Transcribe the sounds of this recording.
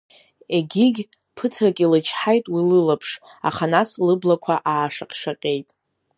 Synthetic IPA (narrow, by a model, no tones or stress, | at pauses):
e̞ɡʲiɡʲ | pʰɨtʰrakʼilɨt͡ʃʰħajtʼwilɨlapʰʂ | a̰χanaslɨblakʷʰaʔaːʂaqʲʼʂaqʲʼe̞jtʼ